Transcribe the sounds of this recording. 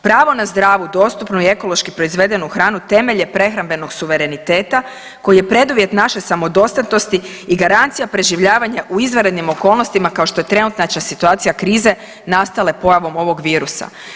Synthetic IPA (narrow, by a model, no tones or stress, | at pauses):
pɾaːʋo̞nazd̪ɾaːʋud̪o̞ːst̪upnoie̞ko̞lˠo̞ʃkipɾo̞izʋe̞d̪e̞nuxɾaːnut̪e̞me̞ʎe̞pɾe̞xɾambe̞no̞ɡsuʋe̞ɾe̞nit̪e̞ːt̪a | ko̞jije̞pɾe̞d̪uʋje̞t̪naʃesamo̞d̪o̞st̪at̪nost̪i | iɡaɾant̪sijapɾe̞ʒiʋʎaːʋaɲaʔuizʋaɾe̞d̪nimo̞ko̞ːlˠno̞st̪imakao̞ʃt̪o̞je̞t̪ɾe̞nut̪nat͡ʃasit̪uaːt̪sijakɾiːze̞ | nast̪ale̞po̞jaʋo̞mo̞ʋo̞ɡʋiːɾusa̰